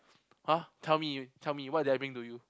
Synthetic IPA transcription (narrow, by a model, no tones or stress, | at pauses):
hatʰɛlmitʰɛlmiwɔt̚duajbɹĩŋtuju